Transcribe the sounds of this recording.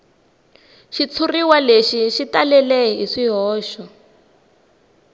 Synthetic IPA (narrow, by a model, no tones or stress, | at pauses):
ʃit͡sʰuriwaleʃiʃitalɛlɛɦiʂiɦɔːʃɔ